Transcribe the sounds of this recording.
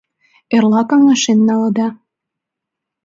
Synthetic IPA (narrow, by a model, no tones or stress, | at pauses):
erlɑkɑŋɑʃenːɑlɤd̪ɑ